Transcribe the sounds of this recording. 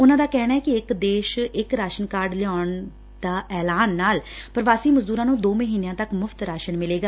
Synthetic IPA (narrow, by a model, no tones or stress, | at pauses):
ʊnãːd̪aːkɛːñaːɛːkɪɪkd̪eːʃɪkɾaːʃənkaːɾɖlɪjaːɳ | d̪̥aːʔɛːlaːnːaːlpəɾəʋaːsiːməzd̪uːɾãːnũːd̪oːməɦiːneãːt̪əkmʊfʰt̪ɾaːʃənmɪleːɡaː